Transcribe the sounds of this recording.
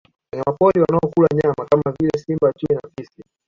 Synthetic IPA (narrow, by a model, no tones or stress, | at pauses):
waɲamapɔɾiwanaɔkulaɲamakamavilɛsimbat͡ʃuinafisi